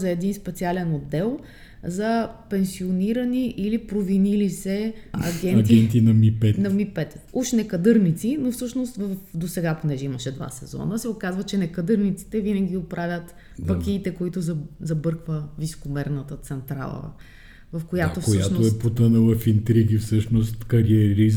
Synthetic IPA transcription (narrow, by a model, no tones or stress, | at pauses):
zɐɛd̪inspɛt̪sialɛnod̪ːɛlˠ | zɐpɛnsioniɾəniʔilipɾovinilisɛɐ̰ɡɛntɡ̪ʲɛninɐmipɛt̪nɐmipɛt̪uʃnɛkɐd̪ɤɾnit̪sinofsɤʃnost̪vəfd̪osɛɡaponɛʒɛimɐʃɛd̪va̰sɛ̰zɔ̰nəsɛokazvət͡ʃɛnɛkɐd̪ɤɾnit̪si̥t̪ɛvinəɡʲiot̪pɾavʲət̪ | pɐkʲiːt̪ɛkoit̪ʊzɐzɐbɤɾkvəviso̥komɛɾnət̪ət̪sɛnt̪ɾa̰lˠə̰ | vɐfkojat̪ofjaʃnooɛpot̪ənəlˠɐfint̪ɾiɡʲifsɤʃnost̪kɐɾiɛɾi